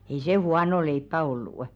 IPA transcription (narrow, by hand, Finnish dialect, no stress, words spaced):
ei se huɑno leipːæ olːuˑ